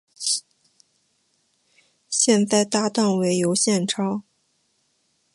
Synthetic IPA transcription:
ɕjɛ˥˧nt͡sa˥˧ɪt̪a˥˧t̪ɑ˥˩ŋwe˧˥ɪjo˧˥ʊɕjɛ˥˩nʈ͡ʂʰɑ˥ʊ

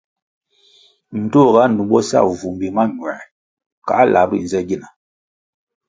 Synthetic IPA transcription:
n̩˨to˦˨ɣa˦nu˨bɔ˦sa̰˦˨vu˨m˨bi˨ma˦ɲwɛ˨ | ka̰˨˦lʔa˨˦bi˦˨n̩˨zɛ˦ɡi˦na˨

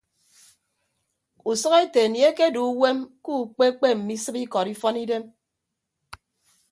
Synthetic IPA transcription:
u˨sɔ˦ɣe˦te˨nje˦ke˦du˨˦we˦mku˦˨k͡pe˦k͡pe˦m̩˨mi˦sɨ˦bi˦kɔ˨ɾi˦fɔ˦ni˦de˦m

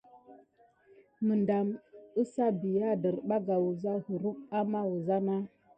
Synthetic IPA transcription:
mə˨nda˨mə˦sa˦bi˨ja˦də˨ɾɓa˦ɡa˨wu˨za˦hə˨ɾu˦ka˦ma˦wu˨za˦na˦

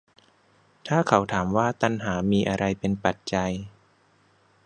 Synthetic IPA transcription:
t̪ʰaː˥˩kʰa˩˦wt̪ʰaː˩˦mwaː˥˩t̪a˧nɦaː˩˦miː˧ʔa˧ɾa˧jpe˧npa˨˩t̪̚t͡ɕa˧j

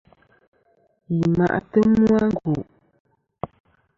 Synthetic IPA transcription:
ji˨ma̰˨ʔtə˦mwa˦ŋ˦ɡo˨ʔ

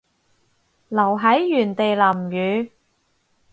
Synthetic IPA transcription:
lɐ˨˩wɦɐ˨˥jːyː˨˩nt̪e˨jlɐ˨˩mjyː˨˧

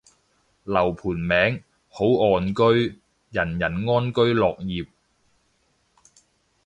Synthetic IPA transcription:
lɐ˨˩wpʰuː˨˩nmɛː˨˥ŋ | ho˨˥wɔː˨nkɵ˥ɥ | jɐ˨˩njɐ˨˩nŋɔː˥nkɵ˥ɥlɔː˨k̚jiː˨p̚

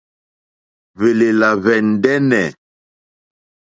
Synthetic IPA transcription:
ve˨le˨la˨vɛ˨n̩˨dɛ˦nɛ˨

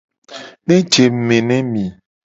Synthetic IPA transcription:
nẽ˦d͡ʒe˨mẽ˨nɛ̃˦mĩ˨

